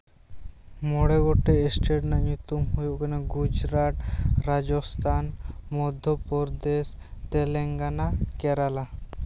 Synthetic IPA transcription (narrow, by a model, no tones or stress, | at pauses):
mɔɽeɡoʈeesʈeɖnaɲut̪umɦujekneɡud͡ʒɾaʈ̪ɾad͡ʒɔst̪ʰanmɔd̪ʱːɔpɔɾd̪est̪eleŋɡanakeɾala